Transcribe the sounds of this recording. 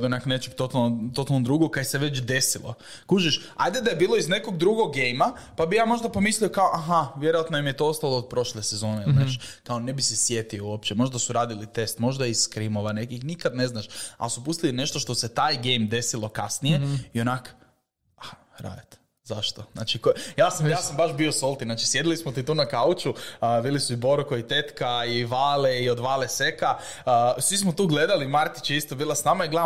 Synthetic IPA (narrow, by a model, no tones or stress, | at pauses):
d̪onaknet͡ʃeɡk̚t̪o̞t̪alˠnot̪ot̪alˠnod̪ɾuɡok̚kːaseʋe̞t͡ʃd̪e̞silo̰ | kuʒiʃ | a̰jd̪ed̪ajebiːlˠo̞izne̞ko̞ɡd̪ɾuɡoɡːejma | pabijaːmo̞ʒd̪apo̞mislio̞kaoʔaɦaʋje̞ɾojat̪noimjet̪o̞ost̪alˠoːd̪̚pɾo̞ʃlesezo̞ːnenaːʃkao̞ne̞bisesje̞t̪iouopt͡ʃemo̞ʒd̪asuɾaːd̪ilit̪e̞st̪mo̞ʒd̪aisskɾimo̞ʋane̞kixnikad̪ne̞znaʃa̰lsupust̪iline̞ʃt̪o̞ʃt̪ose̞t̪aːjɡejmd̪e̞silˠo̞kasnijeio̞nako̥ | a | ɾa̰ːd̪et̪ | zaʃt̪ozna̰ːt͡ʃikojaːsamjaːsambaʃbiosolˠt̪inaːt͡ʃisje̞d̪ilismot̪it̪uːnakaut͡ʃuʋiːlisuibo̞ɾkoit̪e̞t̪kaiʋaːleiod̪ʋaːlese̞kaː | sʋismot̪uːɡle̞d̪alimaɾt̪i̥t͡ʃist̪obiːlˠasnamaiɡlˠa